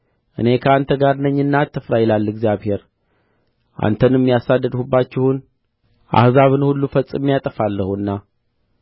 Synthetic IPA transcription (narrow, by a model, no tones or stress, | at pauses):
ʔɨne̞kʰəant̪ʰəɡaɾnəɲːɨnːat̪ʰːɨfɾajɛlalːɨɡzijaβhe̞ɾ | ʔa̰nt̪ʰənɨmːijasad̪ːəd̪hubːat͡ʃːɪhun | ʔa̰hzaβɨnhulːufət͡sʼːɨmːijat̪ʼəfalːəhuɨnːa